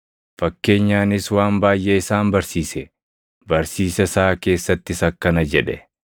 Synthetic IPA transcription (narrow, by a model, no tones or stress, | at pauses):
fɐkːe̞ːɲːaːnɪswaːmbaːjʔɛɪsaːmbɐɾsiːsɛ | bɐɾsiːsɐsaːke̞ːsːɐt̪ːɪsɐkːɐnɐd͡ʒɛᶑɛ